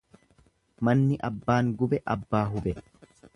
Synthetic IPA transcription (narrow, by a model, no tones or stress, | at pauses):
mɐnːɪʔɐbːaːŋɡʊbɛʔɐbːaːɦʊbɛ